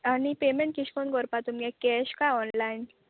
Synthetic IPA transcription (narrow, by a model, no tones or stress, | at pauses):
anipeːmẽɳʈ̚kiʃkonɡɔɾpat̪umkekɛːɕkaɔːnlaːɪn